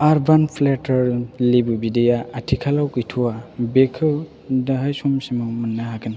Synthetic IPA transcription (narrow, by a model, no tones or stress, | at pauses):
aɾbanpʰletɐɾlibubidejaatʰikʰalawkɯjtʰuwabekʰɯ | daɦajsumsimɔmɐnːaɦakʰɯn